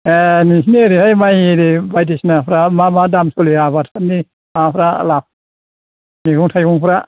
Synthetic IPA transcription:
enisnieɾihajmajeɾibajdisnapʰɾamamadamsɔliabatpʰani | mapʰɾa̰lap̚ | niɡuŋtʰajɡuŋpʰɾa

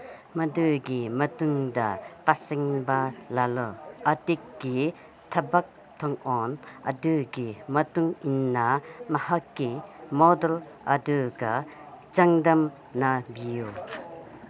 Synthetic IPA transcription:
mɐdɯɡimɐtuŋdɐpasiŋbalalɔɐtikɡi | tʰɐbak̚ | tʰɔŋɔnɐ̰dɯɡimɐtuŋinːamɐhakːimɔdel | ɐdɯɡa | t͡ʃɐŋdɐm | nabiju

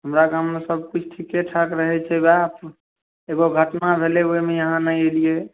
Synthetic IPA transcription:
ɦəmɾakammesəb̚kut͡ʃʰʈʰikeʈʰakɾəɦɛt͡ʃʰɛbap | eɡoɡʱəʈnabʱeleoimejəɦãnəelije

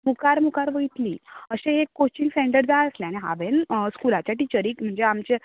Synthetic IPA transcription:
mukaɾmukaɾʋəit̪lḭːəɕẽekːot͡ɕiŋɡsɛ̃ɳɖəɖd͡zaəsleañiɦa̰ʋenskulat͡ɕjaʈit͡ɕəɾiːkm̤əɳd͡zeamt͡ɕe

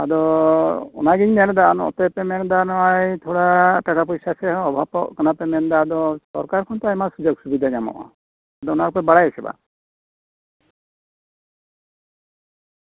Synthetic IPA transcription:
ad̪ɔ | ɔ̰naɡiɲmɛnd̪aʔnɔ̰t̪ɛpɛmɛnd̪anɔajt̪ʰɔɽaʈaʈapɔjsasɛɔbʱapɔkkanapɛmɛnd̪ad̪ɔsɔ̰ɾkaɾkʰɔnt̪ɔajmasud͡ʒɔɡsubid̪ʱaɲamɔ̰ʔɔ̰ | ad̪ɔɔnaɾupɛbaɽajɛsɛba̰

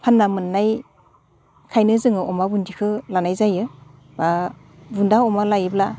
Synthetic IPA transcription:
pʰanːamɯnːaj | kʰajnɯzɯŋɯɔmabundikʰɯlanajzajɯ | ba | bundaɔmalajɯbla

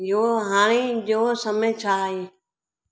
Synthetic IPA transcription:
ɪɦoːɦaːɽ̃id͡ʑoːsɐmẽt͡ɕʰaɦeː

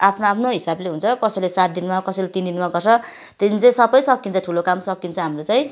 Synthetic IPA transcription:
apʰnoapʰnoɦisableɦunt͡sʰʌkʌsʌlesat̪̚d̪inmakʌsejlet̪ind̪inmaɡʌrt͡sʰʌ | t̪enit͡sʌĩsʌbʌjsʌkːint͡sʰʌʈʰulokamsʌkint͡sʰʌɦamrot͡sʌj̃

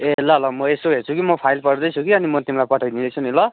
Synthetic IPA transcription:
elʌlʌmʌesoɦert͡sʰukimʌpʰajlpʌrd̪ʌjt͡sʰukiʌnimʌt̪imlajpʌʈʰʌjd̪id̪ʌjt͡sʰunilʌ

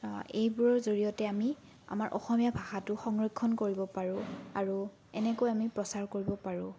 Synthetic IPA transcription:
ejbuɹɔzoɹijɔtɛami | a̰maɹʔɔ̰xɔmijabʱaxatʊxɔŋɹɔkʰːɔnkoɹibɔpaɹʊ̃aɹu | ɛnɛkojamipɹɔsaɹkoɹibɔpaɹʊ̃

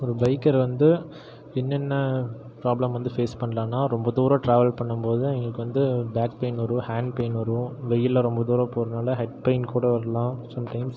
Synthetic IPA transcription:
ɔɾɯbɐɪkːɐɾʋɐnd̪ɯ | ɪnːɛnːɐ | pɾaːblɐmʋɐnd̪ɯfeːspɐɳːɐlãːnːaːɾɔmbɐd̪uːɾãʈɾaːʋɐlpɐɳːɯmpoːðɯɛŋɡɐɭɯkːɯʋɐnd̪ɯbaːk̚pɐɪnɔɾɯ̃haːɳɖpɐɪnɔɾɯ̃ʋɛjːɪlːɐɾɔmbɐðuːɾɐ̃pɔɾɯnaːlɐɦɛʈ̚pɐɪnkuːɽɐʋɐɾɐlãːsɐmʈɐɪms

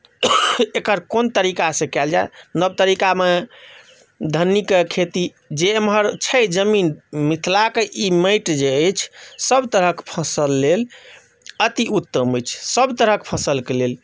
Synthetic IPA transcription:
ekəɾkont̪əɾikasẽkɛld͡ʒajnəb̚t̪əɾikame | d̪ʱənːikekʰet̪i | d͡ʒemɦəɾt͡ʃʰəd͡ʒəminmit̪ʰlakeʔiməɪʈd͡ʒeəjt͡ʃʰsəbt̪əɾəkpʰəsəlːel | ət̪iut̪ːəmət͡ʃʰsəbt̪əɾəkpʰəsəlkelel

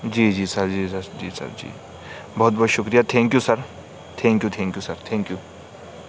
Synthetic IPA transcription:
d͡ʒiːd͡ʒiːsɐɾd͡ʒiːsɐɾd͡ʒiːsɐ̰ɾd͡ʒḭː | bɔɦːt̪̚bɔːt̪ʃʊkɾijat̪ʰɛ̃ːŋkjuːsɐɾ | t̪ʰɛ̃ːŋkjuːt̪ʰɛ̃ːŋkjuːsɐɾt̪ʰɛ̃ːŋkjuː

